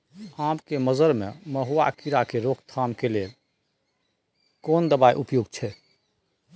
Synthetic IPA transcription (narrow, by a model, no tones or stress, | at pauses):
ãmkeməzəɾmḛməɦua̰kiɾakeɾokʰt̪ʰamkelel | kond̪əbaḭʔupjoɡt͡ʃʰɛ